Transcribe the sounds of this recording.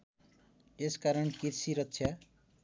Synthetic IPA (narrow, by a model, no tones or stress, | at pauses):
eskaɾʌnkirsiɾʌtːsʰja